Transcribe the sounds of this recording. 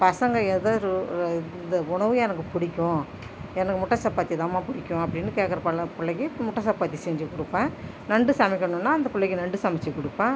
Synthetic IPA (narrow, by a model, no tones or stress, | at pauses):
pɐsɐŋɡɐɛðɐɾɯnd̪ɐʊɳɐʋɯɛnɐkːɯpʊɽɪkʲːʊ̃ | ɛnɐkːɯmʊʈːɐsɐpːaːt̪ːiɛðɐmaːpʊɽɪkʲːʊ̃ɐpːɐɽɪnːɯkeːʈkːɐɾɐpɐlɐpʊlːɐkːɯmʊʈːɐsɐpːaːt̪ːisɛːɲd͡ʒɯkʊɽɯpːẽː | nɐɳɖɯsɐmɪkʲːɐɳʊ̃nːaːɐnd̪ɐpʊɭːɐkːɯnɐɳɖɯsɐmɐt͡ʃːɯkʊɽɯpːẽː